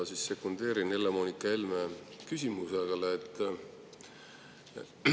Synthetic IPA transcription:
sisːe̞kːund̪̥e̞ːɾinelːemoːnikːˑɑelmekysʲimuseleːt̪ːˑ

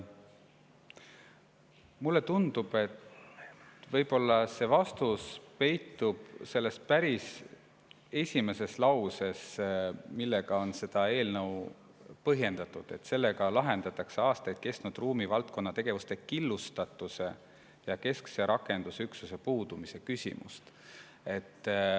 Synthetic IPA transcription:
mulːe̞t̪und̪̥ub̥e̞t̪ | vɤ̞jbo̞lːɑse̞vɑst̪uspe̞jt̪ːˑub̥se̞lːe̞spæɾis | e̞sʲime̞se̞slɑwse̞smilːeɡ̥ɑo̞nse̞d̪̥ɑe̞ːlnɤw | pɤɦje̞nd̪̥ɑt̪ːˑud̪̥e̞̰t̪se̞lːe̞ɡɑlɑɦe̞nd̪̥ɑt̪ːˑɑkseɑːst̪ɑjd̪̥̚ke̞st̪nud̪̥ruːmivɑlt̪̚konːɑt̪e̞ɡ̥e̞vust̪e̞kilːust̪ɑt̪ːˑuse̞ | jɑke̞skse̞ɾʔɑkːˑe̞nd̪̥usyksuse̞puːd̪umise̞kysʲḭmṵst̪ | e̞t̪ː

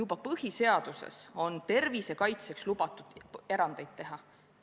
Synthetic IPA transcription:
jubɑpɤhise̞ɑd̪̥use̞̰so̞nt̪e̞rvise̞kɑjt̪se̞kslub̥ɑt̪ːˑud̪̥e̞ɾɑnd̪̥e̞jd̪̚t̪e̞ɦɑ

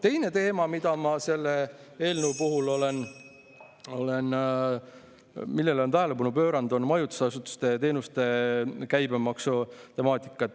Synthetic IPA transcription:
t̪e̞jne̞t̪e̞ːmɑmid̪̥ɑmɑse̞lːee̞ːlnəupuɦulo̞len | o̞le̞n | milːe̞lo̞nt̪æɦelepɑnupø̞ːɾɑnd̪onmɑjut̪u̥sɑsut̪ːu̥st̪e̞t̪e̞ːnust̪e̞kæjbemɑksot̪e̞mɑːt̪ʲˑi̥kːˑɑt̪ː

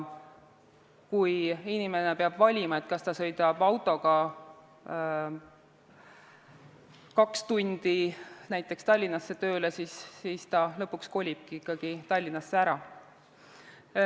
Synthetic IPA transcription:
kujinime̞ne̞peɑb̥vɑlʲimɑe̞t̪kɑst̪ɑsɤ̞jd̪̥ɑb̥ɑwt̪ːˑo̞ɡ̥ɑ | kɑkst̪unʲd̪̥inæjt̪ˑːe̞kst̪ɑlʲːinɑsːe̞t̪ø̞ːlesisːist̪ɑlɤ̞pːˑuksko̞lʲib̥kiikːˑɑɡ̥it̪ɑlʲːinɑsːeæɾɑ

